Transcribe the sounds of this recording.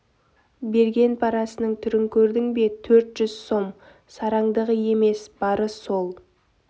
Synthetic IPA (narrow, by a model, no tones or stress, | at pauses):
be̞ɾɡʲe̞npʰɑɾɑsənəɴt̪ʰʏɾɪŋkʲʰɵɾd̪ɪŋbe̞t̪ʰɵɾt̪ʒ̥ʏz̥so̞m | sɑɾɑŋd̪əʁəje̞me̞sb̥ɑɾəso̞lˠ